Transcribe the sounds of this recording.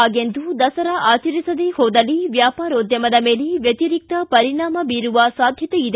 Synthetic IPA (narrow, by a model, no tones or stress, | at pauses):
aːɡe̞nd̪ud̪ɐsɐɾɐʔaːt͡ʃɐɾisɐd̪ehɔːd̪ɐlːiʋjaːpaːɾoːd̪jɐmɐd̪ɐme̞ːleʋjɐt̪iɾik̚t̪ɐpɐɾiɳaːmɐbiːɾuʋɐsaːd̪ʱjɐt̪eid̪e